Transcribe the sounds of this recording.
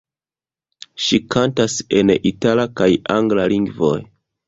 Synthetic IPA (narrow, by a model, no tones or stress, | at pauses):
ʃikʰantase̞nitalakajaŋɡlaliŋɡvo̞̰j